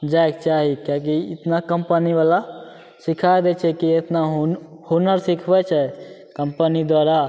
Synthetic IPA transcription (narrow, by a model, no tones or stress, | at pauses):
d͡ʒaekt͡ʃaɦikãk̬iɪt̪nakəmpənibala | sikʰaed̪ɛt͡ʃʰɛkiet̪naɦ | hunəɾsikʰbɛt͡ʃʰɛ | kəmpənid̪waɾa